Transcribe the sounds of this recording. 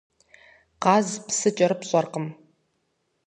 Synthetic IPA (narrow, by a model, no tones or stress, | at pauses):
qɑːzpsɨt͡ʃʼɐɾɨpɕʼɐrqəm